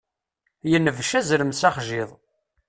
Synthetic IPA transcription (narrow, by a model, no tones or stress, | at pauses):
jənːəvʃæzɾəmsaχʒɪðˤ